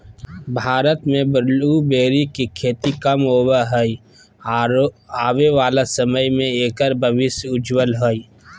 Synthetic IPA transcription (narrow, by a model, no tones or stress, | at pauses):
bʱaːɾət̪mẽbəɾlubeːɾikikʰeːt̪ikɐmɦoːwaɦəi | aːʋeʋaːlasəməjmẽeːkəɾbəʋɪsjʊd͡ʒwəlɦoi